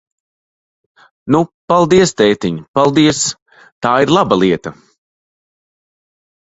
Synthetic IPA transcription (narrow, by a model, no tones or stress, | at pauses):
nupalˠd̪iɛst̪ɛjt̪iɲpalˠd̪iɛs | t̪aːiɾlˠabalˠiɛt̪ɐ